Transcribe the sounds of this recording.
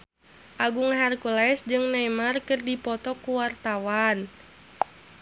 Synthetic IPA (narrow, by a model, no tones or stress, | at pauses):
ʔaɡuŋɦɛrkulɛsd͡ʒɨŋnajmarkɨrdipɔt̪ɔkuwart̪awan